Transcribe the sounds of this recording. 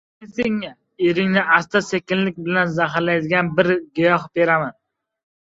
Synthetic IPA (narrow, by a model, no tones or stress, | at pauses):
eseŋːa | eɾɪŋnɪast̪ʰasekʲɪnlɪk̚ʲbɪlanzaɦɾlajd̪ɪɡʲanbɪɾɡʊjɒɦbeɾaman